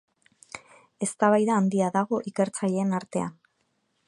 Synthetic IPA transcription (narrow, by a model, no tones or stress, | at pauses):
e̞st̪aβajðaːnd̪iaðaɣ̞o̞ʔike̞ɾt͡saʎe̞ːnaɾt̪e̞a̰n